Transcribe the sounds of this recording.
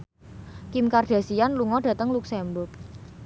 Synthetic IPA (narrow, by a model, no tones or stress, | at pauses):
kimkarɖ̥ä̤sianluŋɔɖ̥ä̤t̪əŋluksɛmbʊrk